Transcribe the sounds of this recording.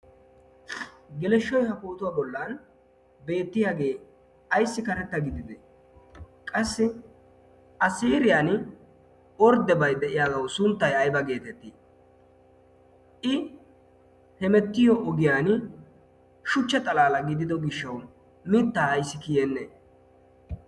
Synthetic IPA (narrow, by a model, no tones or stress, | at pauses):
ɡɛlɛʃːɔjhɐkoːt̪ʊwaːbɔlːaːn | be̞ːt̪ːɪjaːɡe̞ː | ɐjsːɪkɐɾɛt̪ːɐɡɪd̪ɪd̪ɛ | kʼɐsːɪ | ɐsiːɾɪjaːn | ɔɾd̪ɛbɐjd̪ɛʔɪjaːdɐwsʊnt̪ːɐjɐjbɐɡe̞ːt̪ɛt̪ːi | ʔɪ | hɛmɛt̪ːɪjɔʔɔɡɪjaːn | ʃʊt͡ʃːɛt̪ʼɐlaːlɐɡɪd̪ɪd̪ɔɡɪʃːɐw | mɪt̪ːaːjsːɪkɪjɛnːe